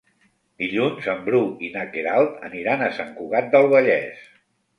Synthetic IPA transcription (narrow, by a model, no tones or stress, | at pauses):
d̪iʎunzəmbɾuinakeɾalˠt̪ə̰niɾanəsaŋkuɣ̞at̪̚d̪əlˠβəʎɛ̰s